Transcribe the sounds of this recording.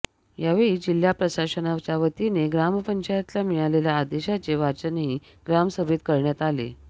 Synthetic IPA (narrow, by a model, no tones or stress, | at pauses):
jaʋeɭiːd͡ʑil̤japɾəɕasənat͡ɕaʋət̪ineɡɾaməpəɲt͡ɕajat̪lamijaleljaːd̪eɕat͡ɕeʋat͡ɕəneɦi | ɡ̥ɾaməsəbʱet̪kəɾɳjat̪alḛ